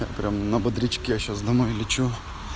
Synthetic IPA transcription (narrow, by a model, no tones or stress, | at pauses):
ja̰pɾʲamnɐbɐd̪ɾʲit͡ɕkʲɪjaɕasd̪ɐmɔjlʲɪt͡ɕu